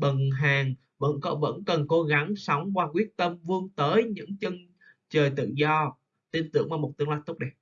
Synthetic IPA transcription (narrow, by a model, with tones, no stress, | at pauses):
ɓə˨˩nɦaː˨˩ŋ | və̰˧˥nkɔ˨˦və̰˧˥nkə˨˩nko˨˧˦ɣa˨˦ŋsɔ˨˦wŋ͡mkwaː˧kwi˦˥ət̚t̪ə˧mvɨ˧əŋt̪əː˨˦jɲɨ̰˧˥ŋt͡ɕɨ˧ŋ | t͡ɕəː˨˩jt̪ɨ̰˧˨zɔ˧ | t̪i˧nt̪ɨ˧˩əŋmaː˧˩mo˨˩t̚t̪ɨ˧əŋlaː˧jt̪ʊ˦˥k͡p̚ɗi˧˩